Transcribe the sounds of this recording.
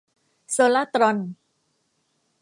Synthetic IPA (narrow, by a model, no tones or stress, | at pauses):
solat̪ɾɔn